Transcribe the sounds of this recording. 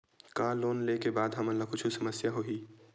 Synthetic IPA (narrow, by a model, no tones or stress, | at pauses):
kãːloːnlekebaːd̪ɦɐmənlakʊt͡ʃʰusɐməsjaɦoːiː